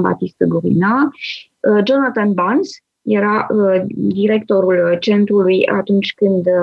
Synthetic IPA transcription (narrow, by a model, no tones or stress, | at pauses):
ba̰t̪ist̪əɡuvḭna | əd͡ʒo̞nat̪anbans | je̞ɾaʔəd̪iɾe̞kt̪o̞ɾult͡ʃe̞nt̪ɾuluja̰t̪unt͡ʃʲkɨnd̪